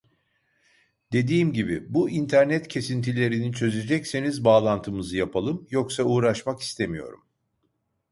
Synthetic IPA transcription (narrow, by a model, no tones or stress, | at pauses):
d̪e̞d̪iːmɟibibuint̪ʰæɾnɛt̪cʰe̞sint̪ʰilʲe̞ɾinit͡ʃʰø̞zed͡ʒɛcsenizbaːlˠant̪ʰɯmɯzɯjapʰalˠɯmjo̞ksauːɾaʃmaki̥st̪ʰe̞mijo̞̰ɾum